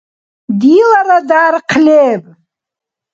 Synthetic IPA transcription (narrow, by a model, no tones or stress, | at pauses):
dilaɾadaːrqʰlʲepʼ